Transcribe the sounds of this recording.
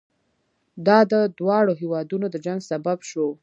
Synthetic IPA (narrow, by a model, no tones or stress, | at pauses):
d̪ɑd̪əd̪wɑɽoɦewɑd̪unod̪əd͡ʒaŋɡsababʃo